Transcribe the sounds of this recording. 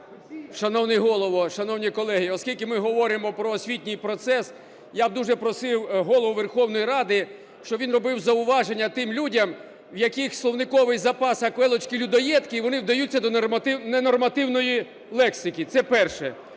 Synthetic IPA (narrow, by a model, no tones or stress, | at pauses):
ʃɐnɔwnɪjɦɔlˠɔʋɔʃɐnɔwnʲikɔlˠɛɦiɔskʲilʲkɪmɪɦɔʋɔɾɪmɔpɾɔːsʲʋʲitʲnʲijpɾɔt̪sɛs | jab̚d̪uʒɛpɾɔsɪwɦɔlˠɔʋʊʋerxɔwn̪ɔjiɾɑd̪ɪ | ʃt͡ʃɔʋʲinrɔbɪwzɐʊʋɑʒenʲːɐt̪ɪmlʲudʲɐm | wjɐkixʲslˠɔwnɪkɔʋɪjzɐpɑsɐkʋɛlˠɔt͡ʃkʲilʲud̪ɔjɛt̪kɪʋɔnɪwd̪ɐjutʲːɐd̪ɔɪnɛnɔrmɐt̪ɪwnɔji | lˠɛksɪkʲit̪sɛpɛrʃɛ